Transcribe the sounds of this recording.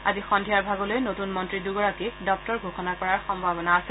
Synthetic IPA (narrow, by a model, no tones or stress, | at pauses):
azixɔndʱijaɹbʱaɡɔlojnotunmɔntɹiduɡɔɹakidɔk̚tɔɹɡʱoxɔnakɔɹaɹxɔmbʱabɔnaːsɛ